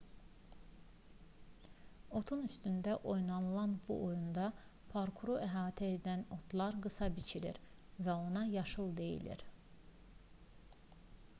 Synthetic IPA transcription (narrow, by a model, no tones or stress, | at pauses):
o̞t̪ʰunyst̪ynd̪æʔo̞jnɑnɯlˠɑnbṵʔo̞jund̪ɑpʰaɾkʰuɾoʔæɦɑːt̪ʰæed̪æno̞t̪ʰlˠɑɾɡɯsɑbit͡ʃʰiɾḭɾvæo̞nɑjɑʃɯlˠd̪e̞jḭlḭɾ